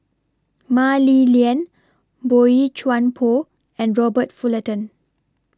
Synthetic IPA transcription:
maliliə̃n | boit͡ʃwãnpʰo | ɛ̃nɹɔbətfulətə̃n

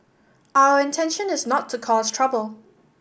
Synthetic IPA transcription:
ʔaʊəɹɪ̃ntʰɛ̃nʃə̃nɪznətʰːəkʰɔz̥tʰɹ̥ʌbəlˠ

